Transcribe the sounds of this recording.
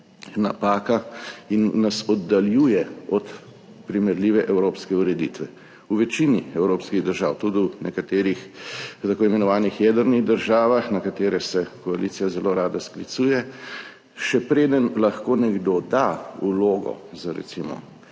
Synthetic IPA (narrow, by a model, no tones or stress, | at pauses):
na̰paːkainːasɔd̪ːaljuːjɛɔt̪ | pɾimɛɾliːʋɛʔɛwɾoːpskɛuɾɛd̪ḭt̪ʋɛ | uʋɛt͡ʃiniɛwɾoːpskiɣd̪əɾʒaːwt̪ud̪iwnɛkat̪eːɾixt̪akoːimɛnɔʋaːnixjɛːd̪əɾniɣd̪əɾʒaːʋaxnakat̪eːɾɛsɛkɔaliːsijazɛloɾaːd̪asklit̪suːjɛ | ʃɛpɾeːd̪ənlaxkoːnɛɡd̪od̪auloːɡɔ̰zaɾɛ̰t̪simɔ̰